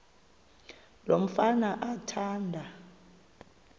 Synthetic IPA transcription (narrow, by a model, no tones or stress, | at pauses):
lom̩fanaʔatʰaːndʱa